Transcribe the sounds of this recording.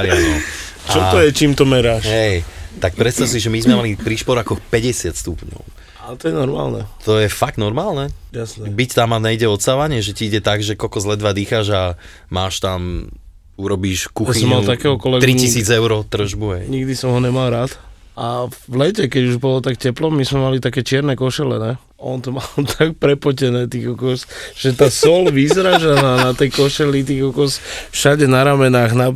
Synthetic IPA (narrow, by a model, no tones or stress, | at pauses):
ɾɪnɔ | ʔt͡ʃaɔt̪ɔjɛt͡ʃiːmt̪ɔmɛɾaːʃɦɛjt̪ak̚pɾɛt̪st̪as̬iʒɛmizmɛmalipɾiːʃpɔɾakɔxpɛɟɛsɪat̪st̪upɲɔ̰ʊ | at̪ɔjɛnɔɾma̰ːlnɛ̰t̪ɔjɛfaɡ̚t̪nɔɾmaːlˠnɛjasnɛbict̪amaɲɛiɟɛɔt̪saʋaɲɪɛʒɛciiɟɛt̪aɡʒɛkɔlkɔzlɛd̪ʋad̪iːxaʒa | maːʃt̪am | uɾɔbiʃkuxaisɔmmalt̪akɛːɦɔkɔlɛɡt̪ɾicisiːd͡zɛʊɾɔt̪r̩ʒbuɦɛjɲiɡd̪isɔmɦɔɲɛmalˠɾaːt̪ | aʋlɛcɛkɛɟuʒbɔlɔt̪akcɛplɔmizmɛmalit̪akɛːt͡ʃɪɛɾnɛkɔʃɛlɛnɛ | ɔ̰nt̪ɔmalt̪ʰak̚pɾɛpɔcɛnɛːt̪iɣɔkɔsʒ̥ɛt̪aːsɔlʋizɾaʒanaːnat̪ɛjkɔʃɛlit̪̬iːɣɔkɔsfʃaɟɛnaɾamɛnaːɣna